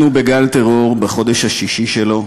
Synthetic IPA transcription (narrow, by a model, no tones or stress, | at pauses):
nubeɡalt̪eʁo̞ʁbeχo̞d̪eʃhaʃiʃiʃelo̞